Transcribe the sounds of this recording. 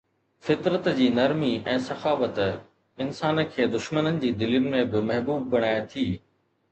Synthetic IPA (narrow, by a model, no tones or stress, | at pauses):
fɪt̪ɾət̪d͡ʑiːnɐɾmiɛ̃ːsɐxaːʋət̪ | ɪnsaːnə̆kʰeːd̪ʊʃmənənɪ̆d͡ʑiːd̪ɪliʊnɪ̆mẽbɪmɐɦbuːb̚ːɐɽ̃aːjet̪ʰiː